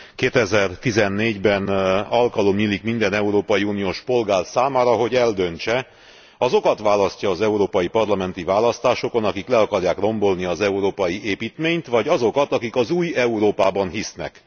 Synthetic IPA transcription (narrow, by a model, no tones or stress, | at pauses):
keːt̪ɛzɛrt̪izɛnːeːɟbɛnɒlkɒlomjilikmind̪ɛnɛuɾoːpɒjiuːnijoːʃpo̞lɡaːrsaːmaːɾɒɦo̞ɟɛld̪ø̞nt͡ʃɛ | ɒzo̞kɒt̪ʋaːlɒscɒːzɛuɾoːpɒjipɒrlɒmɛn̪t̪ivaːlɒst̪aːʃo̞ko̞nɒkiklɛɒkɒrjaːkro̞mbo̞lniɒzɛuɾoːpɒjieːpiːt̪meːɲt̪ʋɒɟɒzo̞kɒt̪ɒkikɒzuːjɛuɾoːpaːbɒnɦisnɛ̰k